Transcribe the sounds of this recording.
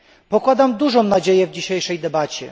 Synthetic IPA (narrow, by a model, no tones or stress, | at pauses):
pɔkwad̪amd̪uʐɔ̃w̃nad͡ʑejɛvd͡ʑiɕejʂɛjd̪ɛbat͡ɕɛ̰